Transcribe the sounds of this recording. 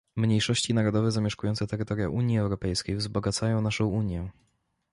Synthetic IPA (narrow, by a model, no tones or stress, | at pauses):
mɲejʂɔɕt͡ɕinaɾɔd̪ɔvɛzamʲjɛʂkujɔnt̪sɛt̪ɛɾɘt̪ɔɾʲja̰ʔuɲjiɛwɾɔpɛjskʲejvzbɔɡat̪sajɔ̃w̃naʂɔ̃w̃uɲjɛ